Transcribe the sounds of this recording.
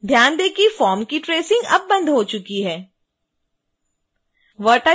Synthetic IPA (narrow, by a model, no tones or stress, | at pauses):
d̪ʱjaːnd̪eːkifɔːɾmkiʈɾeːsɪ̃ŋɡɐb̚ːɐ̃nd̪ʱɦot͡ʃʊkiɦɛː | ʋəɾʈa